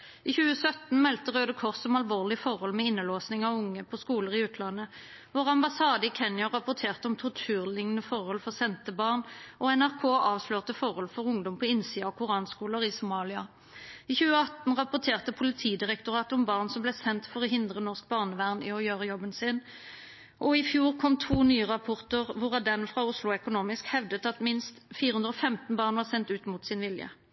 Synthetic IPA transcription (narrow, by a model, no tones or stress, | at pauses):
iːçʉːəsœt̪n̩mɛlt̪əʁøːd̪əkʰɔʁsɔmɑlʋoːʁlɪfɔʁhɔlmɛɪnːəloːsnɪŋɑʋʊŋːəpʰɔskuːləʁɪʉːt̪ʰlɑnːə | ʋʊʁɑmbɑsɑːd̪əɪkʰɛnjɑʁɑpʊʁt̪ʰeːʁt̪əɔmt̪ʰʊʁt̪ʰʉːʁlɪŋnəfɔʁhɔlfɔʁsɛnt̪əbɑːʁnɔɛnæʁkʰoːʔɑːʋsløːʁt̪əfɔʁhɔlfɔʁʊŋd̪ɔmpʰɔɪnsiːɑɔkʰʊʁɑːnskuːləʁɪsʊmɑːlɪɑ | ɪːçʉːəɑt̪n̩ʁɑpʊʁt̪ʰeːʁt̪əpʰʊlɪt̪ʰiːd̪ɪʁɛkt̪ʊʁɑːt̪əʊmbɑːʁnsɔmblɛːsɛnt̪fɔʁɔɦɪnd̪ʁənɔʁsk̚bɑːʁnəʋæʁnɪɔjøːʁəjɔbənsɪn | ʔɔɪfjuːʁkʰɔmt̪ʰuːnyːəʁɑpʰɔʁt̪əʁʋʊʁɑd̪ɛnfʁɑʊslʊɛkʊnuːmɪskhɛʋd̪ət̪ɑt̪mɪnst̪fiːɾəhʉnd̪ʁɔfɛmt̪n̩bɑːʁnʋɑːʁsɛnt̪ʉːt̪muːt̪sɪnʋɪljə̰